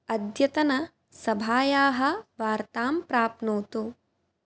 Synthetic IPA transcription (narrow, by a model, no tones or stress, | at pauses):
ɐd̪jɐt̪ɐnɐ | sɐbʱaːjaːɦɐ̆ʋaːɾt̪aːmpɾaːpnuːt̪u